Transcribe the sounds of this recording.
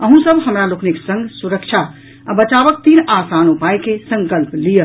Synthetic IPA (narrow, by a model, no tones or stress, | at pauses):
əɦũsəbʱɦəmɾalʊkʰniksə̃ŋɡʱsuɾəkʃʰa | abət͡ʃaːʋək̚t̪iːnaːsaːnupaːjkesə̃ŋkəlplijə